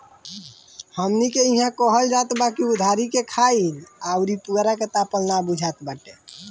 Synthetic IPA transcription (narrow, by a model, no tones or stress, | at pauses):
həmnikeiɦãkəɦəld͡ʒat̪bakiud̪ʱaɾikekʰailaʊɾipuɾaket̪apəlnabud͡ʒʱat̪baʈe